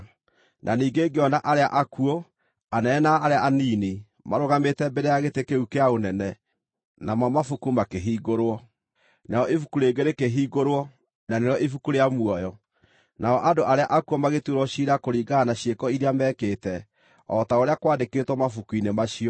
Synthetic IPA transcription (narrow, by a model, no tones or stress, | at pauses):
nʔaniːɡeɡeɔnaʔaɾeaʔakuo | anɛɛnaːɾeaʔaniːni | maɾoɣametɛbeɾejaɣetekeukeaonɛnɛ | namamafukumakeɦiːɣoɾwɔ | naɔʔefukuɾeːɡeɾekeɦiːɡoɾwɔ | naneɾɔʔefukuɾeamwɔjɔ | naɔʔadoʔaɾeaʔakuɔmaɣetuɾɔɕiɾakoɾiːɡaːnaɕjekɔiɾeamɛkeːtɛ | ɔtaoɾeakwaːdeketwɔmafukuinemaɕiɔ